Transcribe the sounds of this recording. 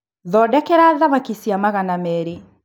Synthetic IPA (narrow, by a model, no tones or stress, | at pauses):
ðɔdɛkɛɾaðaβakisiamaɣanamɛɾe